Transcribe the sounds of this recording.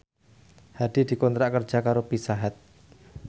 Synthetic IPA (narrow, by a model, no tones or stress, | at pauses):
had̥i̤di̤kɔnt̪ɾakərd͡ʒ̥akaɾopisaɦat̪̚